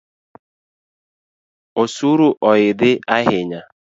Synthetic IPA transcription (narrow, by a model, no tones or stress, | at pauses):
osuɾuʔɔjɪdɪʔaɦɪɲa